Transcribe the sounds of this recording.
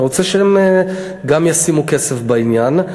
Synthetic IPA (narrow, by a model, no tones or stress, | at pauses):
ʁot͡seʃeem | ɡamjasimukesefbainjan